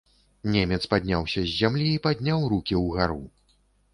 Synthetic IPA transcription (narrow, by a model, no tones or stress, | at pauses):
nʲɛmʲɛt̪spad̪ʲnʲawsʲɐzʲːamlʲiːpad̪ʲnʲawɾukʲiwɣaɾu